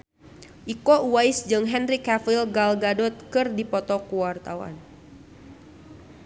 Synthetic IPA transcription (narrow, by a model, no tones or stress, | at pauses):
ʔikɔuwaisd͡ʒɨŋɦɛnrikafilɡalɡadɔt̪̚kɨrdipɔt̪ɔkuwart̪awa̰n